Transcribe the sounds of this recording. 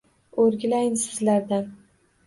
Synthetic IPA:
oɾɡʲɪlajɪnsɪzlaɾd̪an

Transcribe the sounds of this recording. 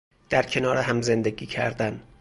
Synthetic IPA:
d̪̥æɾcʰe̞nɒːɾeɦæmze̞nd̪eɡiːcʰæ̰ɾd̪æn

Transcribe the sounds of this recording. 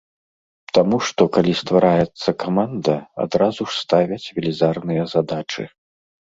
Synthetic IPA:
t̪amuʂt̪ɔkalʲist̪vaɾajɛt̪sːɐkamand̪ɐa̰d̪ɾazuʂst̪avʲɐt͡sʲvʲɛlʲizarnɨjɐzad̪at͡ʂɨ̰

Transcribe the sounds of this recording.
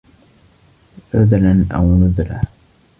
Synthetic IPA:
ʕʊðlanʔa̰wnʊðɾa

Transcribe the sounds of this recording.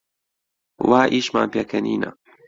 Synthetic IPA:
waːʔiːʃma̰ːnpjakʰɐnḭːna̰

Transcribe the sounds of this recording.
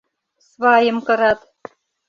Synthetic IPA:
svɑjɤ̆mkɤ̆ɾɑt̪

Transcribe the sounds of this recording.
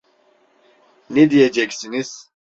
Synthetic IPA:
nɛd̪ijed͡ʒɛcsiniz̥

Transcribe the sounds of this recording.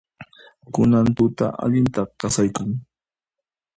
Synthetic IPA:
kʊnant̪ʊt̪a̰ʔa̰ʎɪnt̪ɑχkɑsajkʊŋ

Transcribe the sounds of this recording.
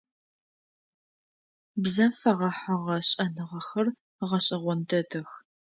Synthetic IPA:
bzɐfɐʁɐħaʁɐɕʼɐnɨʁɐxɐr | ʁɐɕʼɐʁʷɔntʰɐtʰɨx

